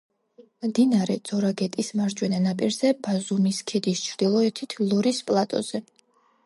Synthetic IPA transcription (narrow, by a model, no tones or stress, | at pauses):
md̪inaɾɛd̪z̥ɔɾaɡɛt̪ʼismaɾd͡ʒwɛnanapʼiɾzɛbazumiskʰɛd̪ist͡ʃʰɾd̪̥ilˠɔɛt̪ʰit̪ʰlˠɔɾispʼlˠat̪ʼɔ̰z̥ɛ